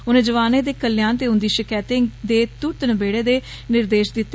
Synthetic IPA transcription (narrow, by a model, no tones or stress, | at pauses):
ʊnẽːd͡ʒəʋaːneːd̪eːkəlːjãːnt̪eːʊ̃nd̪iːʃɪkɛːt̪eŋd̪eːt̪ʊt̪nəbeːɽeːd̪eː | nɪɾd̪eːʃd̪ɪt̪ːe